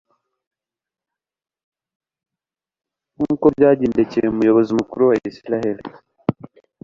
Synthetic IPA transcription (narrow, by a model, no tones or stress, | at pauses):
nukobɟaːɟeːndecieumujo̞βo̞zimukuɾuwaisiɾaheli